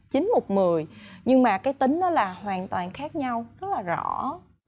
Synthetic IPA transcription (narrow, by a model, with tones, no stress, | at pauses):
t͡ɕï˨˦ŋ̟mo˨˩t̚mɨ˨˩əjɲɨ˧ŋmaː˨˩kaː˨˦jt̪ï˨˦ŋ̟nɔ˨˦laː˨˩hwaː˨˩nt̪waː˨˩nxaː˦˥k̚ɲa˧wzə˦˥t̚laː˨˩zɔ̰˧˩